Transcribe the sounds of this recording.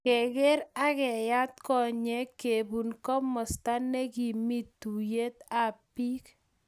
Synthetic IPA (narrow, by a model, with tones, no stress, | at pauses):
kɛ˨ɡe˦ɾa˦kɛ˨ja˦t̪kɔ˦˨ɲɛ˦ke˨bu˨nkɔ˦mɔ˨sta˦nɛ˦ki˨mi˦tːu˨je˦t̪a˨pi˦k